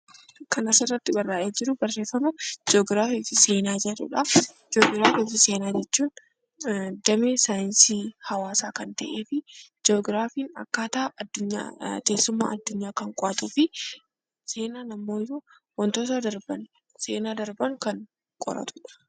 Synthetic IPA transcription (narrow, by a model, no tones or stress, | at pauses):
kɐnɐsɪrːɐt̪ːɪbɐrːaːʔeːd͡ʒɪɾʊbɐrːe̞ːfːɐmʊd͡ʒoːɡɾaːfiːfɪse̞ːnaːd͡ʒɛᶑʊ̰ᶑɐ | d͡ʒoːɡɾaːfiːfɪseːnaːd͡ʒɛt͡ʃːuːn | d̪ɐmeːsaːjɪnsiːhɐwaːsaːkɐnt̪ɐʔe̞ːfɪd͡ʒoːɡɾaːfiːnɐ̰kːaːt̪aːʔɐd̪ːʊɲːa̰t̪e̞ːsːʊmːa̰ːʔɐd̪ːʊɲːaːkɐŋkʼɔɐt̪uːfɪ | se̞ːnaːnɐmːo̞ːju | wɐnt̪oːt̪ɐd̪ɐɾbɐn | se̞ːnaːd̪ɐɾbɐnkɐŋ | kʼɔ̰ɾɐ̰t̪ʊ̥ᶑɐ̥